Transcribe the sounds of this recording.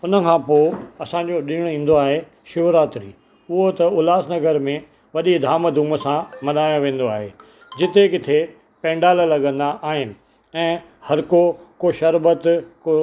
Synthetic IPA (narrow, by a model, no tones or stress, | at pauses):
ʊnə̆kʰãːpoːɐsãːɲd͡ʑoɗiːɽ̃ĩːn̆d̪oaːɦe | ʃʊʋɾaːt̪ɾḭː | ʊɦot̪ɐʊlaːsnɐɡəɾmẽ | ʋɐɗid̪ʱaːməd̪ʱuːməsãmɐnaːjõʋẽːnd̪oaːɦeː | d͡ʑɪt̪ekɪt̪ʰe | pɛ̃ːɳɖaːləlɐɠə̃nd̪aʔaːɦɪnɪ̆ | ɛ̃ː | hɐɾkokoʃɐɾbət̪ko